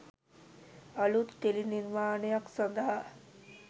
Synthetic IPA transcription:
ɐlut̪ːeliniɾmaːnejaksɐnd̪ɐɦa

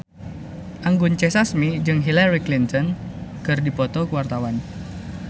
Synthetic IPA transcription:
ʔaŋɡʊnt͡ʃesasmid͡ʒɨŋɦilaɾiklint̪ɔnkɨrdipɔt̪ɔkuwart̪awan

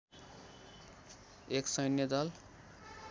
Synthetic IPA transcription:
eksʌjnjʌd̪ʌl

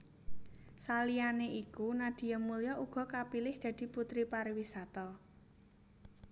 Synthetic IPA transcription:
salianeikunad̪̥i̤jamulijɔʔuɡ̥ɔ̤kapilɪhd̪̥ä̤d̪̥i̤put̪ɾipaɾiwisat̪ɔ

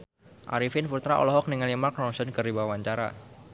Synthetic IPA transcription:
ʔa̰ɾifɪnfut̪ɾaʔɔ̰lɔɦɔk̚niŋalimark̚nɔnsɔnkɨribawawaɲt͡ʃaɾa̰

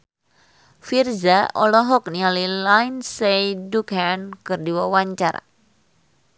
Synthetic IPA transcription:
firzaɔlɔɦɔk̚nialilajnsejdukankɨrdiwawaɲt͡ʃa̰ɾa̰

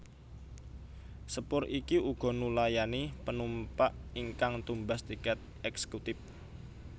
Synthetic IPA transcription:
səpʊɾikiuɡ̥ɔ̤nulajanipənumpaʔiŋkaŋt̪umbast̪ikɛt̪̚ | ɛksə̥kut̪ɪf

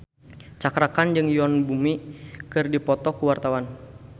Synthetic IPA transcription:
t͡ʃakɾakand͡ʒɨŋjɔnbumikɨrdipɔt̪ɔkuwart̪awan

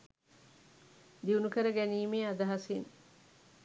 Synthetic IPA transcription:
d̪iunukəɾəɡæniːmeːɐd̪ɐɦɐsin

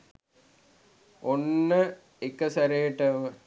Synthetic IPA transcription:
onːə | ekəsɐɾeːʈɐʋə

